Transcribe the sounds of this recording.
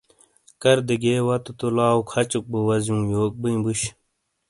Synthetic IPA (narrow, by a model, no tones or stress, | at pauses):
kɐɾd̪eɡeːwɐt̪ut̪olaːukʰɐt͡ɕuk̚bowɐzjũːjoːk̚bɨj̃buɕ